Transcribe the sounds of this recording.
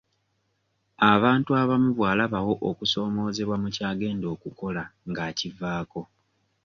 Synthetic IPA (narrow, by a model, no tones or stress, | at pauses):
aβaːntuaβamuβwaːlaβawo̞ʔokuso̞ːmo̞ːze̞βwamucaːɡe̞ːndo̞ːkuko̞laŋɡaːcivaːko̞